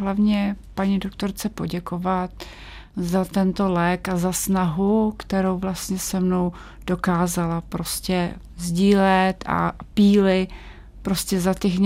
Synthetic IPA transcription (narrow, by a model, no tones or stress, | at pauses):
ɦlavɲɛpaɲido̞kt̪o̞ɾt͡sɛpo̞ɟɛkovat̪ | zat̪ɛnt̪o̞lɛːkazasnaɦukt̪ɛɾo̞wvlast̪ɲɛsɛmno̞w | d̥o̞kaːzalapɾo̞scɛ | zɟiːlɛt̪a̰piːlɪ | pɾo̞scɛzat̪ɛx